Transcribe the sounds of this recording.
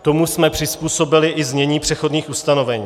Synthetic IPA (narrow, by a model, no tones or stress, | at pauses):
t̪o̞musmɛpr̥ɪspuːso̞bɪlɪʔɪzɲɛɲiːpr̝̥ɛxo̞dnɲiːxust̪ano̞vɛɲiː